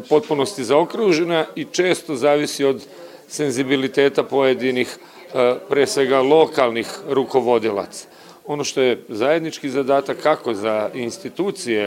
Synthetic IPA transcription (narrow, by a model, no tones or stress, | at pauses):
po̞t̪̚puno̞st̪izaokɾuːʒe̞nait͡ʃe̞ːst̪o̞zaːʋisio̞d̪ | se̞nzibilit̪e̞ːt̪apo̞je̞d̪inix | pɾijesʋe̞ɡalˠo̞kalˠnixɾuko̞ʋo̞d̪ila̰t̪sḁ | o̞no̞ʃt̪o̞je̞zaje̞d̪nit͡ʃkizad̪aːt̪akʰːako̞zainst̪it̪uːt̪sije